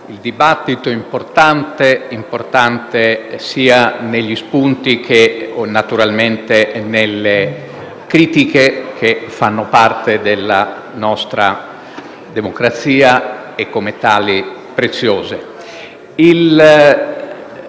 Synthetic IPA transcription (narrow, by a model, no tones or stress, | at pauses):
ild̪ibat̪ːit̪oimport̪ant̪eimport̪ant̪esiːaneʎːispunt̪ik̟ʰenat̪uɾalment̪enelːe | kɾiːt̪ikekʰefːanːopart̪ed̪elːa | nɔst̪ɾa̰ | d̪emokɾat̪siːa | ekːomet̪aːli | pɾet̪sːjoːze | il